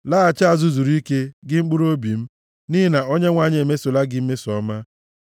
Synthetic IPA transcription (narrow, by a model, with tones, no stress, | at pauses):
laː˦a˨t͡ʃa˦˨zu˦zu˨ɾi˦ke˦ɡɪ˦ŋ͡m̩˦k͡pu˦ɾo˦bi˨m̩˦ | ni˦ɦi˦na˨o˦ɲe˦ŋʷa˨ɲ˦e˨me˦so˨la˦ɡɪ˦m̩˦me˦sɔ˦ma˦